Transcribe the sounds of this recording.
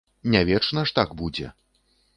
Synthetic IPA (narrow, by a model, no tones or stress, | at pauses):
nʲavʲɛt͡ʂnɐʂt̪aɡbud͡zʲɛ̰